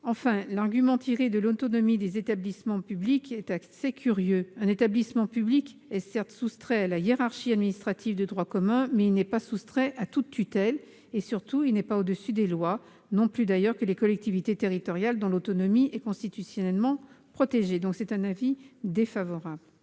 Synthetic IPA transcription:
ɑ̃fɛ̃laʁɡʲymɑ̃t̪ʰiʁed̪əlot̪ɔnɔmid̪ezet̪ablismɑ̃pyblikɛt̪asɛkʲʰyʁjøɛ̃net̪ablismɑ̃pyblikɛsɛʁt̪sust̪χɛalajeʁaʁʃiad̪minist̪χat̪ʰivd̪əd̪ʁwakɔmɛ̃mɛilnɛpasust̪χɛʔat̪ut̪ːyt̪ɛl | esyʁt̪uilnɛpaod̪əsyd̪elwa | nɔ̃plyd̪ajœʁkəlekɔlɛk̚t̪ivit̪et̪eʁit̪ɔʁjald̪ɔ̃lot̪ɔnɔmiɛkɔ̃st̪it̪ysjɔnɛlmɑ̃pχɔt̪eʒed̪ɔ̃ksɛt̪ɛ̃navid̪efavɔʁabl

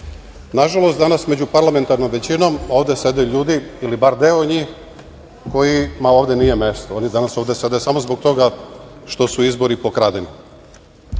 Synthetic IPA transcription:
naʒalˠost̪d̪anast̪me̞d͡ʑupaɾlame̞nt̪aɾno̞mʋe̞t͡ɕino̞mo̞ːʋd̪ese̞d̪ajuʎuːd̪iilibaɾd̪eoɲiːx | ko̞jimao̞ːʋd̪e̞nijeme̞st̪oonid̪anasoʋd̪ese̞d̪ajusamo̞zboɡ̚t̪o̞ɡaʃt̪o̞suizbo̞ɾipokɾad̪eni

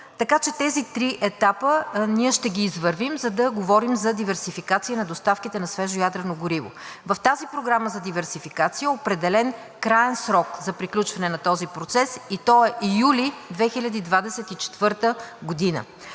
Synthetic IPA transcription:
t̪ɐkat͡ʃɛt̪ɛzit̪ɾiʔɛt̪apəniəʃt̪ɛɡʲiːzvəɾvimzɐd̪ɐɡovɔɾimzɐd̪ivɛɾsifikat̪sijənɐd̪ost̪afkit̪ɛnɐsvɛʒojad̪ɾɛnoɡoɾivo̰vɐft̪azipɾoɡɾaməzɐd̪ivɛɾsifikat̪sijəopɾɛd̪ɛlɛn | kɾaɛnsɾɔkzɐpɾiklʲut͡ʃvɐnɛnɐt̪ɔzipɾot̪sɛsit̪ɔɛʔijulid̪vɛxilʲɐd̪iːd̪vad̪ɛsɛt̪it͡ʃɛ̥t̪vɤɾt̪əɡod̪inə̰

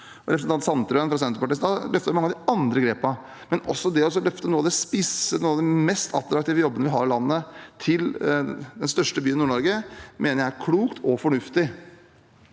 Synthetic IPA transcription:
ɾɛpɾsnɑnt̪sɑnt̪ɾœənfɾɑs̬ɛnɾəpɑʈiːsd̪ɑlœft̪əɾɪmɑŋːɑd̪ɪɑnd̪ɾəɡɾeːpɑ | mɛnɔ̰sːɔd̪ɛɔs̬ɔlœft̪ənuːɑd̪ɛspɪsənuːɑʋd̪ɛmɛst̪ʰɑ̰t̪ɾɑkt̪ɪːʋəjɔbənəʋɪɦɑɾɪlɑnːət̪ʰɪld̪ɛnst̪œʂʈəbyːnɪnuːɳɔɾɡəmʔeːnəɾjækʰluːkt̪ʰɔfɔɳʉft̪ɪ

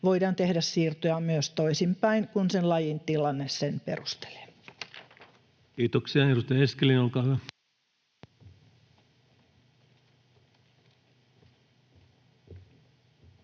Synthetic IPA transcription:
ʋoidɑːnt̪ehdæssiːrt̪ojɑmyøst̪oisimpæiŋkunsenlɑjint̪ilɑnːessenpḛrust̪e̥le̥ː | kiːt̪oksiɑeɾust̪ɑjɑeskelinolkɑːhyʋæ

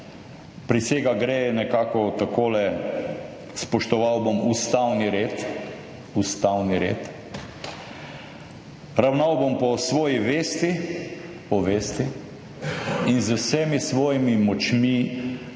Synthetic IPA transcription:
pɾiseːɡaɡɾeːnɛkaːkɔt̪akoːlɛ | spɔʃt̪ɔʋawbɔmust̪awniɾeːt̪ | ust̪awniɾḛːt̪ | ɾawnawbɔmpɔsʋɔːjiʋeːst̪i | pɔʋeːst̪i | inzəwsɛmisʋɔːjimimɔt͡ʃmi

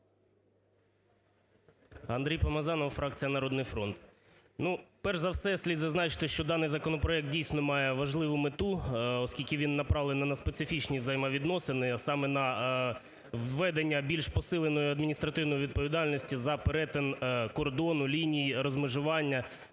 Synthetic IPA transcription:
ɐnd̪ɾijpɐmɐzɑnɔwfɾɑk̚t͡sʲijɐnɐɾɔd̪nɪjfɾɔnt̪ | nupɛrʒzɐwsɛsʲlʲid̪zɐznɑt͡ʃɪ̥t̪ɪʃt͡ʃɔd̪ɑnɪjzɐkɔnɔpɾɔɛk̚t̪̚dʲijsʲnɔmɑjɛʋɐʒlˠɪʋʊmɪt̪uɔskʲilʲkʲɪʋʲinːɐpɾɑʋlˠenɐnɐspesɪfʲit͡ʃnʲiʋzɐjmɑʋʲid̪nɔsɪnɪsɑmɛnɐ | ʋːɛd̪enʲːɐbʲilʲʃpɔsɪlˠenɔjʊɐd̪mʲinʲist̪ɾɐt̪ɪwnɔjiʋʲid̪̚pɔʋʲid̪ɑlʲnɔsʲtʲizɐpeɾɛt̪enkɔrd̪ɔnʊlʲinʲijiɾɔzmɪʒʊʋɑnʲːɐ

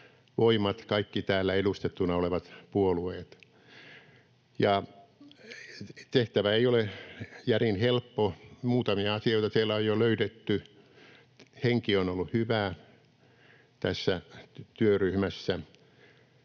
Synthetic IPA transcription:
ʋoimɑt̪kɑikːit̪æːlːæelust̪et̪ːunɑoleʋɑt̪puolueːt̪ | jɑ | t̪eht̪æʋæeiolejærinhelpːomuːt̪ɑmiɑɑsioit̪ɑsielːæojoløytet̪ːy | heŋkionolːuhyʋæː | t̪æsːæt̪yøryhmæsːæ

